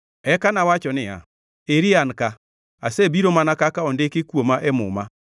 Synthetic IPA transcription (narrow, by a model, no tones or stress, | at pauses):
ɛkanawat͡ʃɔnɪa̰ | eɾianka | asebiɾomanakakaɔndekekwomaʔɛmʊ̰ma